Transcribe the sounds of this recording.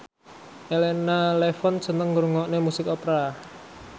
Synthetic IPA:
ʔelenalefɔn̥t͡ʃə̤nəŋɾuŋɔʔnemusɪkopɾa

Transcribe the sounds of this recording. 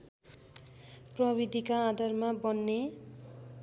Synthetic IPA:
prʌbid̪ʱikaːd̪ʌrmabʌnːe

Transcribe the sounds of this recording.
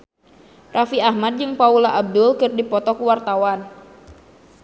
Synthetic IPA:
rʔafiahmad̚d͡ʒɨŋpaulaʔab̚dʊlkɨrdipɔt̪ɔkuwart̪awan

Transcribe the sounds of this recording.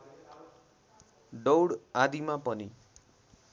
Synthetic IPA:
ɖowɽad̪imapʌni

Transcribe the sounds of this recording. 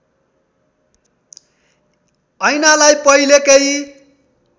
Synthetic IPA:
ʌjnalajpʌilekej

